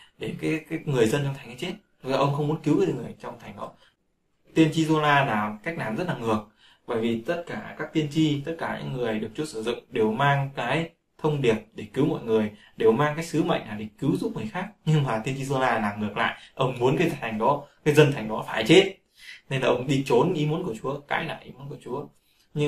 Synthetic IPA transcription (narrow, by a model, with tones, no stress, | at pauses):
ɗe˧˩kaː˨˦˨ŋɨ˨˩əjzə˧nt͡ɕɔ˧ŋ͡mt̪ʰa˨˩ŋʔaː˨˦t͡ɕe˦˥t̚zɔ˧ʔə˧wŋ͡mxə˧wŋ͡mmu˨˦ə˦nki˨˦wkːŋɨ˨˩əjt͡ɕɔ˧wŋ͡mt̪ʰa˨˩jŋ̟ɗɔ̰˨˦ | t̪i˧ənt͡ɕi˧zo˧laː˧laː˨˩wka˦˥jk̟̚naː˨˩mzə˦˥t̚laː˨˩ŋɨ˨˩ək̚ | və̰ː˧˩jvi˨˩t̪ə˦˥t̚kaː˧˩kaː˦˥k̚t̪i˧ənt͡ɕi˧t̪ə˦˥t̚kaː˧˩ɲɨ̰˧˥ŋːɨ˨˩əjɗɨ˨˩ək̚t͡ɕu˧əsɨ˧˩zʊ̰˧˨ŋ͡mɗe˨˩wmaː˧ŋkaː˨˦j | t̪ʰə˧wŋ͡mɗi˨˩əp̚ɗe˧˩kɨ˨˦wmɔ̰˧˨jŋɨ˨˩əj | ɗe˨˩wmaː˧ŋkaː˨˦jsɨ˨˦mə̰˧˨ŋnaː˨˩ɗe˧˩kɨ˨˦wzu˦˥p̚ŋɨ˨˩əjxaː˦˥k̚ɲɨ˧ŋmaː˨˩t̪i˧ənt͡ɕi˧zo˧laː˧laː˨˩ŋɨ˨˩ək̚la̰ː˧˨jʔə˧wŋ͡mmu˨˦ənkaː˨˧˦t̪ʰa˨˩t̪ʰŋ̟ɗɔ˨˦kaː˨˦jzə˧nt̪ʰa˨˩jŋ̟ɗɔ˨˦faː˧˩jt͡ɕe˦˥t̚ | ne˧nlaː˨˩ʔə˧wŋ͡mɗi˧t͡ɕo˨˦nʔi˨˦mu˨˦nku˧˩ət͡ɕu˨˦əka̰ː˧˦jna̰ː˧˩˨ʔḭ˨˦mu˨˦ənku˧˩ət͡ɕu˨˦ə | ɲɨ˧